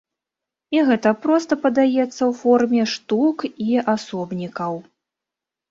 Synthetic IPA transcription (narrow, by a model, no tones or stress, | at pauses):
iɣɛt̪ɐpɾɔst̪ɐpɐd̪ajɛt̪sːɐwfɔrmʲɛʂt̪ukiasɔbnʲikɐw